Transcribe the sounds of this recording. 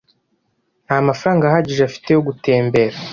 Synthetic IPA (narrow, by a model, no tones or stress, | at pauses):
naamafaɾaːŋɡahaɟiʒeafi̥te̞joɡute̞ːmbe̞ɾa